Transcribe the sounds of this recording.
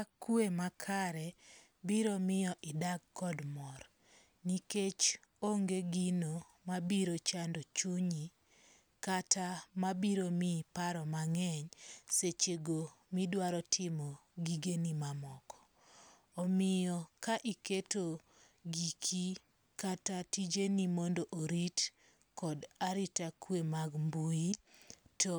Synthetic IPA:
akuemakʰaɾɛ | biɾɔmɪjɔʔɪdaɡ̚kːɔdmɔr | niket͡ʃ | oŋɡeɡino | mabiɾot͡ʃandɔt͡ʃuɲi | katamabiɾomipaɾɔmaŋɛɲset͡ʃeɡomidwaɾɔtʰɪmɔɡiɡenimamɔkɔ̥ː | mɪjɔkaʔiketo | ɡikʰi | katatid͡ʒenimɔndoʔoɾit | kɔdaɾitakwemaɡmbuito

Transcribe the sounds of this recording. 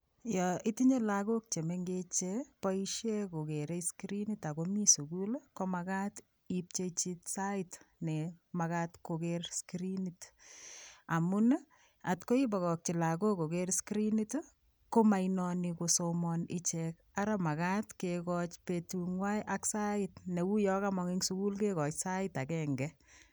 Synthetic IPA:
jɔʔitiɲelakok̚t͡ʃemeŋɡet͡ʃepɔiʃekokeɾeskɾinitakomisukulkomakat | ip̚t͡ʃet͡ʃitsaɪtnemakatkokeɾskɾinit | amun | atkoibakɔk̚t͡ʃilakokokeɾskɾinit | komainɔnikosomɔnɪt͡ʃɛk | aɾamakatkekɔt͡ʃpetuŋwajʔaksaɪtnewujɔkamɔŋiŋsukulkekɔt͡ʃsaɪtakɛŋɡɛ

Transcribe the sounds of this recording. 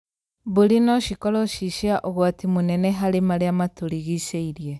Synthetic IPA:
boɾinɔʃikɔɾɔʃiʃiaʔoɣwatimonɛnɛɦaɾemaɾeamatoɾiɣiseiɾije

